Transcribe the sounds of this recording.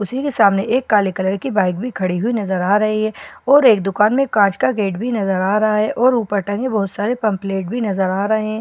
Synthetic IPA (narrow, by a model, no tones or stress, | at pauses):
ʊsikesaːmneʔeːkːaːlekələɾkibaːɪk̚bʱikʰɐɽiɦʊinɐzəɾaːɾɐɦiɦɛːɔːɾeːk̚d̪ʊkaːnmẽkãːt͡ʃkaɡeːʈbʱinɐzəɾaːɾɐɦaɦɛʔɔːɾuːpəɾʈɐ̃ŋɡẽbɔɦʊt̪saːɾepɐ̃mpleːʈbʱinɐzəɾaːɾɐɦẽɦɛ̃ː